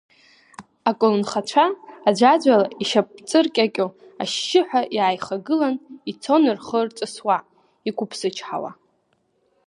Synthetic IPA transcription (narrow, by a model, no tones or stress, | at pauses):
akʷʼolnχat͡ʃʷʰaːd͡ʒʷad͡ʒʷalaiʃap̚ʼt͡sʼɨrkʲʼakʲʼo | a̰ʃːɪħʷᶣaʔjaːjχaɡɨlanit͡sʰo̞nɨrχərt͡sʼɨswa | ikʷʊpʰsɨt͡ʃʰħa̰wa̰